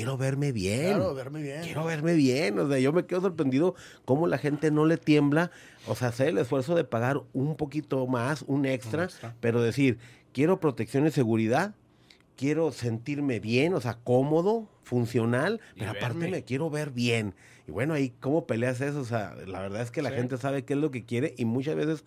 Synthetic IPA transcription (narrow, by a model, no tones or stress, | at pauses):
jeɾoβe̞ɾme̞βjenɾjeɾoβeɾme̞βjenoseaʝo̞me̞ke̞ðos̬o̞ɾpɾe̞nd̪iðo̞ | ko̞mo̞laxe̞nt̪e̞no̞le̞t̪je̞mbla | o̰seaseele̞sfwe̞ɾso̞ðe̞paɣaɾumpo̞kit̪o̞masune̞kst̪ɾape̞ɾo̞ðe̞siɾkje̞ɾo̞pɾo̞t̪e̞ksjo̞nise̞ɣuɾiðað | kje̞ɾo̞se̞nt̪iɾme̞βje̞no̞seako̞mo̞ðo̞funsjo̞nalpe̞ɾoapaɾt̪emekje̞ɾo̞βe̞ɾβjen | iβweno̞aiko̞mo̞pe̞le̞as̬e̞s̬os̬ea̰la̰βe̞ɾðaðeske̞laxe̞nt̪e̞saβekeezlo̞k̬e̞kje̞ɾe̞ʔimut͡ʃazβe̞se̞s